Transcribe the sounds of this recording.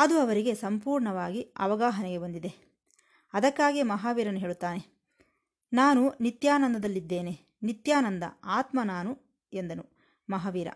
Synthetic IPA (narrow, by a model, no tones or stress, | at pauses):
ɐd̪uɐʋɐɾiɡe̞sɐmpuːɾɳɐʋaːɡiɐ̰ʋɐɡaːɦɐnɛɡe̞bɐnd̪id̪e̞ | ɐd̪ɐkːaːɡemɐɦaːʋiːɾɐnːuɦe̞ːɭut̪ːaːne̞ | naːnunit̪jaːnɐnd̪ɐd̪ɐlːid̪ːe̞ːne | nit̪jaːnɐnd̪ɐ̰aːt̪mɐnaːnu | end̪ɐnu | mɐɦaːʋiːɾɐ̰